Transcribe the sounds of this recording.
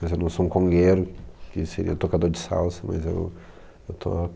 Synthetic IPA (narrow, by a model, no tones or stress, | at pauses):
mɐzewnɐ̃w̃soũkõŋɡeɾʊkɪseɾḭɐt̪okad̪oɾd͡ʒɪsa̰wsɐmɐ̰zḛw | ewt̪ʰo̰